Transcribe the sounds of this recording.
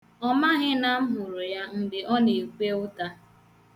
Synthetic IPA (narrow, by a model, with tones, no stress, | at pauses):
ɔ˦ma˦ɣɪ˦na˨m̩˦ɦʊ˨ɾʊ˨ja˦n̩˨dɪ˨ʔɔ˦ne˨kʷe˦ʊ˦ta˦